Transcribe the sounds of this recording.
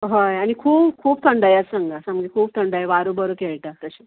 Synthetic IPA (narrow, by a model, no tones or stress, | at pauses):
ɦəjañikʰuːpkʰuːp̚t̪ʰəɳɖəjəsəŋɡʱasaməɡikʰuːb̚t̪ʰəɳɖəjʋaɾubəɾukeɭʈ̪at̪əɕe̥